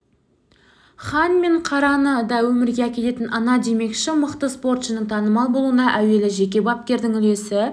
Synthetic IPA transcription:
χɑnme̞ɴqʰɑɾɑnəd̪ɑwɵmɪɾɡʲe̞ækʲe̞t̪e̞t̪ɪnʔɑnɑd̪e̞me̞kʃɪməqt̪əspo̞rt̪ʃənəŋt̪ʰɑnəmɑlˠbo̞lˠuənɑʔæwe̞lɪʒe̞kʲe̞bɑp̚kʲe̞ɾd̪ɪŋʏle̞sɪ

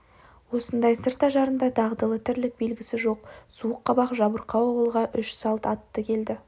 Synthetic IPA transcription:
wo̞sənd̪ɑjsəɾt̪ɑʒɑɾənd̪ɑd̪ʰɑʁd̪əlˠət̪ʰɪɾlɪk̚be̞lɡʲɪsɪʒo̞qsuəqːɑbɑqʒɑbəɾqʰɑwɑwəlˠʁɑʔʏʃsɑlˠt̪ɑt̪ːəkʲʰe̞ld̪ɪ

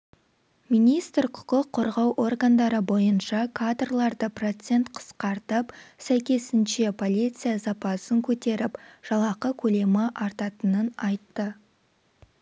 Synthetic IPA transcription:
mijnijst̪rqʰʊ̥qəqʰːo̞ɾʁɑwʔo̞rɡand̪ɑɾəbo̞jənʃɑkʰad̪rlˠɑɾd̪əpro̞t̪se̞nt̪qʰə̥sqɑɾt̪əpsæjkʲe̞sɪnʃe̞pʰo̞lijt̪sɨjazɑpɑsəŋkʲʰɵt̪e̞ɾɪpʒ̥ɑlˠɑqəkʲʰɵle̞mɪʔɑɾt̪ɑt̪ənənɑjt̪ːə

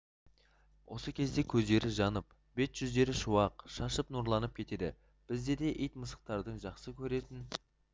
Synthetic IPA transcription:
wʔo̞̰səkʲʰe̞zd̪e̞kʲʰɵzd̪e̞ɾɪʒɑnəp̚ | b̥e̞t̪ʒ̥ʏzd̪e̞ɾɪʃuwɑqʃɑʃəpnuɾlˠɑnəp̚kʲʰe̞t̪e̞d̪ɪ̰ | b̥ɪzd̪e̞d̪e̞ʔijt̪məsə̥q̚t̪ɑɾd̪əɴʒɑqsəkʲʰɵɾe̞t̪ɪn

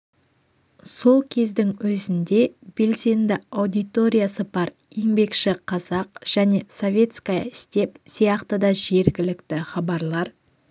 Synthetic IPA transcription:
so̞lˠkʲʰe̞zd̪ɪŋwɵzɪnd̪e̞b̥e̞lse̞nd̪ɪɑwd̪ijt̪o̞ɾʲijasəbɑɾ | je̞ŋbe̞kʃɪqʰɑzɑqʒ̥æne̞so̞vʲe̞t̪skɑɪst̪e̞psijɑqt̪əd̪ɑʒe̞ɾɡʲɪlɪkt̪ɪχɑbɑɾlˠɑɾ

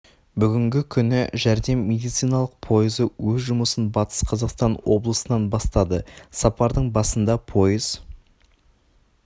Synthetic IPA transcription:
bʏɡʲɪŋɡʲɪkʲʰʏnɪʒæɾd̪e̞mːe̞d̪ijt̪sijnɑlˠəq̚pʰo̞jəzəwɵzʒʊməsənbɑt̪ə̥sqʰɑzɑqst̪ɑnwo̞̰blˠəsənɑnbɑst̪ɑd̪əsɑpɑɾd̪əɴbɑsənd̪ɑpʰo̞jəz̥

